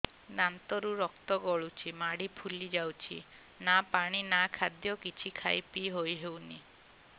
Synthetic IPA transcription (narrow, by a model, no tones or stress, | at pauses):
nant̪ɔɾuɾɔkt̪ɔɡɔɭut͡ʃʰimaɽipʰulid͡ʒawt͡ʃʰḭ | napaɽ̃inakʰad̪jɔkit͡ʃʰikʰajpiɦojɦewni